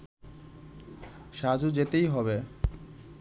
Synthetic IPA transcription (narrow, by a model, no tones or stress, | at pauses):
ʃad͡ʑud͡ʑet̪ejɦɔbe